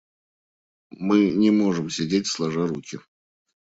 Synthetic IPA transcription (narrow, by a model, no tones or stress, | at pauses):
mɨnʲɪmo̞ʐɨmsʲɪdʲet̚ʲslˠɐʐaɾukʲɪ